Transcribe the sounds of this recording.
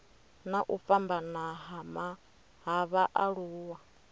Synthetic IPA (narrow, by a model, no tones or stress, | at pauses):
naʔufambanaɦama | ɦaβaʔaɺuːwa